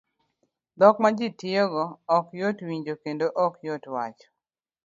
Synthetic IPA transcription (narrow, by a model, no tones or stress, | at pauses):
d̪ɔkmad͡ʒitɪoɡɔɔkjotwiɲd͡ʒokendoʔɔkjotwat͡ʃɔ̥